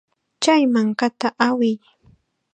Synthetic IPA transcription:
t͡ʃajmaŋkat̪aʔawɪj

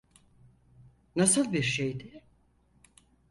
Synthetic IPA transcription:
nasɯlˠbiɾʃejd̪ɪ

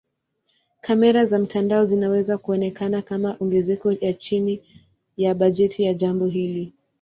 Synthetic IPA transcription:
kamɛɾazam̩tʰandaɔzinawɛzakuɔnɛkanakamaʔɔŋɡɛzɛkɔjat͡ʃini | jaɓaʄɛtʰijaʄambɔɦili

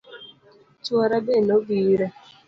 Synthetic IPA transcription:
t͡ʃwɔɾabenoɡiɾa

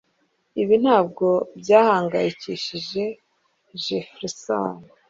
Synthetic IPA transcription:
iβin̥haːb̚ɡo̞bɟaːhaːŋɡajiciʃiʒe̞ | ʒefɾisa̰n

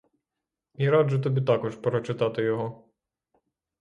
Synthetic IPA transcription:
iɾɑd̪ʒʊt̪ɔbʲit̪ɑkɔʃpɾɔt͡ʃɪt̪ɑt̪ɪjɔɦɔ

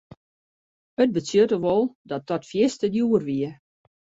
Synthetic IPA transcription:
ət̚bəsjøtəʋɔlˠdɔt̚dɔtfjɪstədjuərʋiə

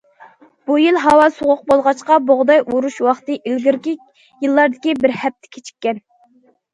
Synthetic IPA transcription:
b̥ujɨlˠɦɑwɑsoʁʊq̚bolˠʁɑt͡ʃqɑboʁd̪ɑjʔuɾuʃwɑχt̪ɨʔilɡʲiɾkʲi | jɨlˠːɑɾd̪ɪkʲibɪɾhɛp̚t̪ʰɪ̥kʲʰe̥t͡ʃʰi̥kʲːɛn

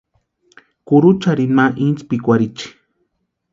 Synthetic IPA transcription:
kuɾut͡ʃaɾinmaʔint͡spikʷaɾit͡ʃi̥

